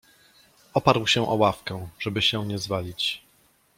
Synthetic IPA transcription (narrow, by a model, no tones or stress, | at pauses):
ɔpaɾwɕɛ̃ʔɔwafkɛ̃ʐ̥ɛbɘɕɛwɲɛzvalʲit͡ɕ